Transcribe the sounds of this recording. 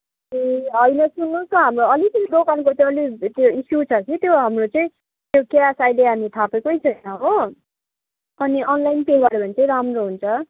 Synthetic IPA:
eɦʌjnʌsunːusk̪ʌɦamroʌlit͡sʌnidokankot͡sʌ̃ʌlit̪joisjut͡sʰʌt͡sit̪joɦamrot͡sʌĩ | t̪jokeasajleanit̪ʰapekojt͡sʰʌnʌɦo | ʌniʔʌnlajnpebaɽʌbʌnit͡sʌĩɾamroɦunt͡sʰʌ

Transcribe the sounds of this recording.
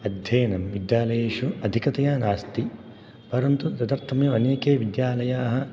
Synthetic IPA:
ɐd̪ʱjɐjɐnɐmʋid̪jaːlɐjeːʃuɐd̪ʱikɐt̪ɐjaːnaːst̪i | pɐɾɐnt̪ut̪ɐt̪ɐɾt̪ʰɐmjuɐneːkeːʋid̪jaːlɐjaːɦɐ̆

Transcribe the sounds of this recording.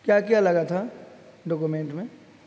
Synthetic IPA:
kjakjalɐɡat̪ʰaɖɔk̬umẽːɳʈmẽ

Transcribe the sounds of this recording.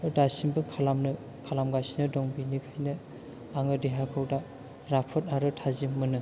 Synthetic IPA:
dasimbɯkʰalamnɯ | kʰalamɡasinɯdɔŋbinikʰajnɯ | aŋɯdeɦakʰɯwda | ɾapʰɯt̚aɾɯtʰazimːɯnɯ

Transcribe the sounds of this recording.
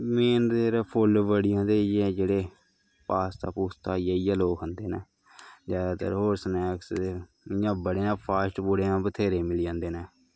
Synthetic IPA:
meːnd̪eːɾpʰolʋəɽɪjãːd̪eːɛːd͡ʒeːɽeː | paːst̪a̰ːpuːst̪aːijaːijaːloːkɦənd̪eːneː | zjaːd̪aːt̪ə̰ɾɦoːɾsənɛːkse | ɪjãːbəɽeːnãːpʰaːsʈbuɽeːãːpət̪ʰeːɾeːmɪliãːnd̪eːnɛː

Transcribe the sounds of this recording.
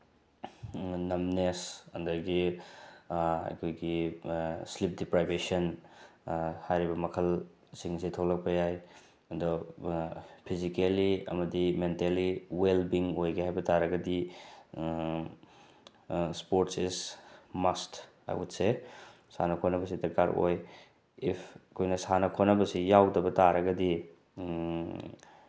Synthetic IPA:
nɐmnesɐ̰ndɐɾɡi | ɐ̰jkʰojɡi | slip̚dipɾajbesɐn | hajɾibɐmɐkʰɐl | siŋsetʰowlɐk̚pɐjaj | ɐndɔ | pʰizikeliɐ̰mɐdimenteliwelbiŋojɡeɦajbɐtaɾɐɡɐdi | spoɾtsesmast | a̰jutse | sa̰nɐkʰonɐbɐs̬idɐkaɾo̰j | ipʰkʰojnɐsanɐkʰonɐbɐsijawdɐbɐtaɾɐɡɐdi

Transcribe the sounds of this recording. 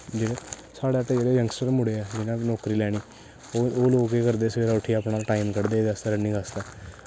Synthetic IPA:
d͡ʒiːkɛ | saːɽaːʈeːeːɾeːjəŋɡsəɾmʊɽeːɛːd͡ʒɪnãːnɔːkɾiːlɛːɽ̃iː | oːloːkeːkəɾd̪eːseːɾaːʊʈʰːiːaːpnaːlʈaːimkəɽd̪eːd̪əst̪əɾənĩːɡast̪aː

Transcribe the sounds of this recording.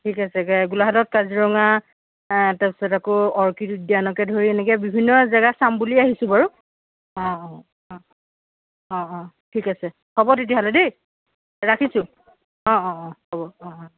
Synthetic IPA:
tʰikasɛɡulaɦatɔt̚kaziɹɔŋa | tapisɔtakʊɔɹkitudianɔkɛdʱoɹiɛnɛk̬ɛbibʱinːɔzaɡasambuliaɦisʊ̃baɹu | ɔ̃ɔ̃ | ɔ̃ | ɔ̃ɔ̃ | tʰikasɛ | kɔbɔtet̬iaɦalɛde | ɹakʰisʊ̃ | ɔ̃ɔ̃ɔ̃kɔbɔɔ̃ɔ̃

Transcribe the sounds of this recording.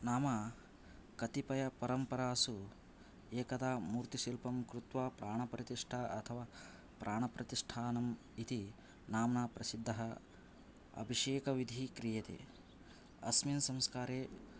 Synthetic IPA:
naːmɐ | kɐt̪ipɐjɐpɐɾɐmpɐɾaːsu | eːkɐd̪aːmuːɾt̪iʃilpɐmkɾut̪ʋaːpɾaːɳ̃ɐpɾɐt̪iʂʈʰaɐt̪ʰɐʋaː | pɾʔaːɳɐpɾɐt̪iʂʈʰaːnɐm | it̪i | naːmnapɾɐsid̪ʱːɐɦɐ | ɐ̰bʱiʂeːkɐʋid̪ʱikɾijɐt̪ḛ | ɐ̰sminsɐ̃mskaːɾeː

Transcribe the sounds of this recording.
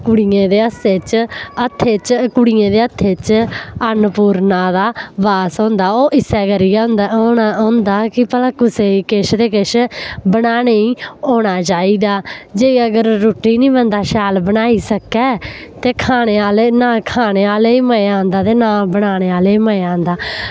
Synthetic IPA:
kʊɽijẽːd̪eːəseːt͡ʃət̪ʰːeːt͡ʃkʊɽiːẽːd̪eːət̪ʰːeːt͡ʃənpuːɾnaːd̪aːbaːsɔ̃ːnd̪aːoːʔɪsɛːkəɾiːʊ̃nd̪ːnaõːnd̪aːkɪpəlãːkʊseːikɪʃd̪eːkɪʃbəɽaːneːĩːoːɽ̃aːt͡ʃaːiːd̪aːd͡ʒeːiəɡəɾːoːʈːiːnĩːbənd̪aːʃɛːlbəñaːiːsəkɛː | t̪eːkʰaːɽ̃eːaːleːnaːkʰaːɽeːaːleiːməãːnd̪aːt̪eːnãːbəɽ̃aːɽ̃eːaːleːiːməeãːnd̪aː

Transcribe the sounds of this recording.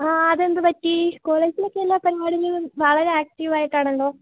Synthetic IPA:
aːɐðend̪ɨpɐtːiko̞ːɭeːd͡ʑilo̞kːelːaːpɐɾaːɽiŋɡiɭʋɐɭɐɾe̞aːk̚ʈiʋaːjiʈːaːɳɐɳloː

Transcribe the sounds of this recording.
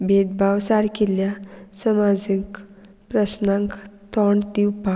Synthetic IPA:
bʱed̪̚bʱawsaɾkeljasəmad͡zik | pɾəsnãŋkt̪ʰɔɳt̪iupa

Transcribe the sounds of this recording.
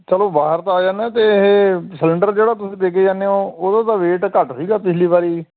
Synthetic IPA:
t͡ʃəloːbaːɦəɾt̪aːd͡ʒaːnɛ̃ːt̪eːɦeːsələɳɖəɾd͡ʒeːɽaːt̪ʊsĩːp̪eːk̬eːd͡ʒaːneoːoːd̪ãːt̪aːʋeːʈkəʈsiːɡaːpɪsʰliːbaːɾiː

